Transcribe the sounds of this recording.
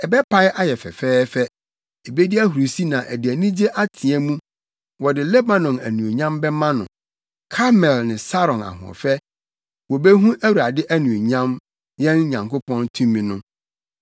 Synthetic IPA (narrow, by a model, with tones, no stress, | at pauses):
ɛ˨bɛ˦pʰa˦ɪ˦ʔa˦jɛ˨fɛ̰˨fɛː˦fɛ˦ | e˨be˦dɪ˦æ˦ɦu˨ɾu˨si˦nã˨ʔæ˨dɪ˨æ˨nĩ˦d͡ʑe˦ʔa˦tʰĩ˨ɛ̃˦mũ˦ | wɔ˨dɪ˨lɛ˦ba˨nɔ̃˨næ˨nũ˨e˨ɲã˦mbɛ˦mã˦nʊ̰̃˨ | kʰa˦mɛ˨lnɪ̃˨sa˦ɾɔ̃˨na̰˨ɦʊ̰̃˨ɔ̰˨fɛ˦ | wɔ˨be˦ɦũ˦ʔæ˦wu˨ɾa˨dɪ˦ʔæ˦nũ˨ɲã˦m | jɛ̃˦nɲã˨ŋko˦pʰɔ̃˦ntʰũ˦mĩ˨nʊ̃˦